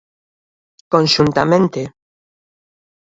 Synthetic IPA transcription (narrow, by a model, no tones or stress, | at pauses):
kõnʲʃunt̪amẽnt̪e